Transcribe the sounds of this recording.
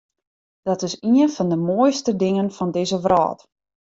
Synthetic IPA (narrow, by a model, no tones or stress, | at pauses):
d̥ɔtɪsiənfɔndəmoːjstədɪŋənfɔndɪzəʋrɔ̰ːt